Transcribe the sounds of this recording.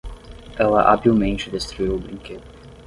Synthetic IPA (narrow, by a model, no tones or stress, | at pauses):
ɛlɐ̰ʔa̰biwmẽnt͡ʃɪd̪est̪ɾuiwʊbɾĩŋked̪ʊ